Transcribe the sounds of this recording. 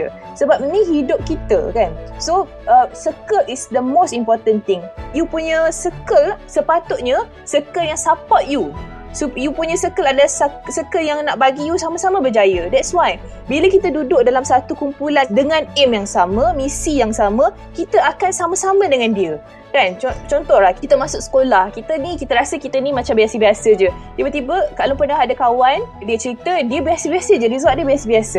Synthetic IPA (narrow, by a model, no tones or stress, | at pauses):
ə̰ | səbap̚nĩɦidʊp̚kit̪ə̰kanso | əsəkəlisd̪əmostimpɔt̪ənt̪ɪŋjupuɲəsəkəlsəpat̪ʊt̪̚ɲə̃ | səkəljaŋsapaʔju | sojupuɲə̃səkəladalasasəkəljaŋnaʔbaɡijusamasamãbəd͡ʒajədɛt̚swaj | biləkit̪ədudʊʔ̚dalamsat̪ukumpulandəŋãnɛmjaŋsamə̃mĩsijaŋsamə̃ | kit̪əakansamãsamə̃dəŋãndiə | d̥ant͡ʃɔt͡ʃɔnt̪ɔhlahkiit̪əmãsʊk̚sə̥kolahkit̪ənikit̪əɾasəkit̪ənimãt͡ʃambiasəbiasəd͡ʒət̪ibət̪ibəkalopənaɦadakawandiət͡ʃəɾit̪ədiəbiasəbiasəd͡ʒədiəzaʔ̚diəbiasəbiasə